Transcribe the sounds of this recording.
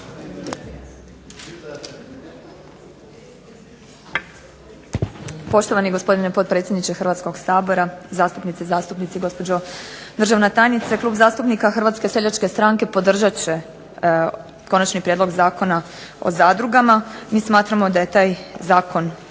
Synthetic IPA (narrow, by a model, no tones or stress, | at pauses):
po̞ʃt̪o̞ʋaniɡospo̞d̪inepo̞t̪̚pɾet̪sʲjed̪nit͡ʃe̞xr̩ʋat̪sko̞ɡsaːbo̞ɾazaːst̪upnit̪sezaːst̪upnit̪siɡo̞spo̞d͡ʑo̞d̪r̩ʒaʋnet̪aːjnit̪seklˠuːbzaːst̪upnikaxr̩ʋaːt̪skese̞ʎat͡ʃke̞st̪ɾaŋke̞po̞d̪r̩ʒat͡ɕe̞ | ko̞nat͡ʃnipɾjed̪lo̞ɡzaːko̞na | o̰zaːd̪ɾuɡamamiːsmaːt̪ɾamo̞d̪aje̞t̪aːjzaːkʰo̞n